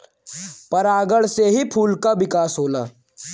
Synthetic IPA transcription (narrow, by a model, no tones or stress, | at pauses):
pɐɾaːɡəɭseɦipʰuːlkaʋɪkaːsɦoːlaː